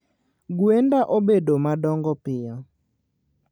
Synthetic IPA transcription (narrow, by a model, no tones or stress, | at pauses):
ɡwendaʔobedomadɔŋɡɔpɪjɔ